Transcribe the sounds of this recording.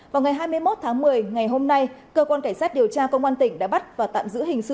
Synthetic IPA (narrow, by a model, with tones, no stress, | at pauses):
vaː˨˩wŋa˨˩jɦaː˧jmɨ˧əjmo˦˥t̚t̪ʰaː˨˦ŋmɨ˨˩əjŋa˨˩jɦo˧mna˧jkəː˧kwaː˧nka˧˩ŋsaː˦˥t̚ɗi˨˩əwt͡ɕaː˧kə˧wŋ͡mkwaː˧nt̪ï˧˩ŋ̟ɗa̰ː˧˥ɓa˦˥t̚vaː˨˩t̪a̰ː˧˨mzɨ̰˧˥ɦï˨˩ŋ̟sɨ̰˧˨